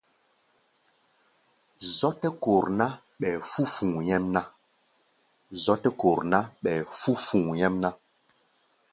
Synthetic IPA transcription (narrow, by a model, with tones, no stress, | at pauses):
zɔ˦tɛ˦ko˨ɾna˦ | ɓɛ˨fu˦fũ˨ŋjɛ˦mna˦ | zɔ˦tɛ˦ko˨ɾna˦ɓɛ˨fu˦fũ˨ŋjɛ˦mna˦